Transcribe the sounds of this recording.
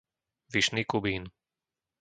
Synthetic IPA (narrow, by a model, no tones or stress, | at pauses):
ʋiʃniːkubiːn